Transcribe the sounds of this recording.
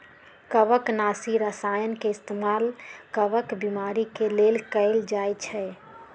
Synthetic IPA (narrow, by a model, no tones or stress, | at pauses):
kəbəknasiɾəsajənkeɪst̪emalkəbəkbimaɾikelelkəɪld͡ʒajt͡ʃʰɛ